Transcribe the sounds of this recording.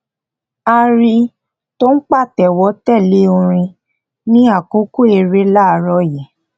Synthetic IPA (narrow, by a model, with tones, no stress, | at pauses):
a˧ɾi˧ | to˦n̩˦k͡pa˦˨tɛ˨wɔ˨˦tɛ˦˨le˨˦o˧ɾ̃ĩ˧ | nĩ˦a˦˨kõ˦ko˦e˧ɾe˨˦la˦˨ɾɔ˧jɛ˨